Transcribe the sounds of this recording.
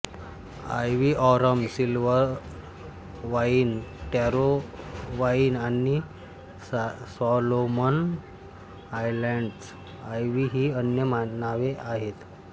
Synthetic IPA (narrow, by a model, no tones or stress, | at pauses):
a̰jʋiːʔɔɾəmsilʋəɾ | ʋaiːnʈjaɾoʋaiːnani | sɔlomən | ajlɛɳɖs | ajʋiɦiːənjəmanaʋeʔaɦet̪